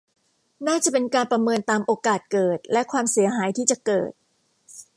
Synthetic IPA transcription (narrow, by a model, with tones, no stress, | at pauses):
naː˥˩t͡ɕa˨˩pe˧nkaː˧npɾa˧mɤː˧nt̪aː˧mʔoː˧kaː˨˩t̪̚kɤː˨˩t̪̚lɛ˦˥kʰwaː˧msi˩˦ɐɦaː˩˦jt̪ʰiː˥˩t͡ɕa˨˩kɤ̰ː˨˩t̪̚